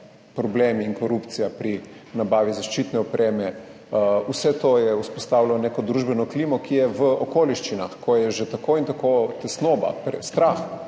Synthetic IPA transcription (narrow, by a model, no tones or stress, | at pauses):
pɾɔbleːmiːŋkoɾupt̪sijapɾi | nabaːʋizaʃt͡ʃit̪nɛɔpɾʔeːmɛ | usɛt̪ojɛuspɔst̪aːwlalɔnekɔd̪ɾuʒbɛnɔklimɔkijɛʋəokoːliʃt͡ʃina̰xkʰɔjɛʒet̪akoint̪akot̪ɛsnoba̰pɾɛst̪ɾax